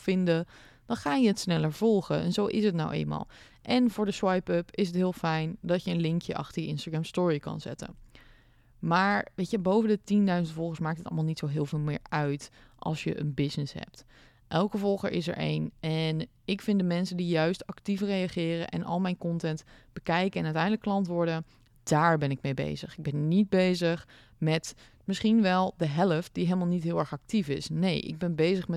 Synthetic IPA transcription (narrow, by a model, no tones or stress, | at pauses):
fɪndə | d̥ɑnχaːjəɦətsnɛləɹv̥ɔlˠχəɛ̰nzowʔɪsɦətnawʔḛjnma̰ːlˠ | ʔɛnvʊːɹdəswɑjpɵpɪsətɦɪːlˠfɛjndɑtjəənlɪŋkjəʔɑ̰χtəɹjəɪnstaɡɹɛmstʊːɹikɑ̰nzɛ̰tə̰n | maːɹʋejtəbowvəndətindœɥzəntfɔlˠχənsmaːktətɑ̰lˠmalˠnitsowɦɪːlˠvɪːlˠmɪ̰ːɹœɥtʔɑ̰lˠsjə̰ʔə̰nbɪsnɪsɦɛ̰p̚t | ʔɛlˠkəvɔlˠχə̰ɹʔɪ̰sɛ̰ɹʔḛjnɛn | ɪkfɪndəmɛnsəndijœɥstɑktifrejaχɪːrə̰nʔɛ̰nʔɑ̰lˠmɛjnkɔntɛntb̥əkɛjkəɛnœɥtɛjndələkːlɑntʋʊːɹdə | d̥aːɹbɛnɪk̚mejbḛjzəχɪɡ̚bɛnnit̚bejzəχ | mɛt | mɪsχinʋɛlˠdəɦɛləft̚d̥iɦeləmaːlˠnitɦɪːlˠɛɹχɑk̚tifɪ̰snejʔɪ̰ɡ̚bɛnbejzəχmɛ